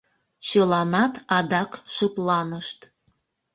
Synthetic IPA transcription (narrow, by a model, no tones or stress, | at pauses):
t͡ɕəlɑnɑt̪ɑd̪ɑkʃəplɑnəʃt̪